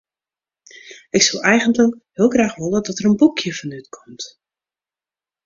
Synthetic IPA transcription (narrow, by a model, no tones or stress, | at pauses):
ɪksɔlˠɛjɣəntləkhɪəlˠxraːxʋʊlˠədɔtərənbukʰjəfɔnytkʰɔmt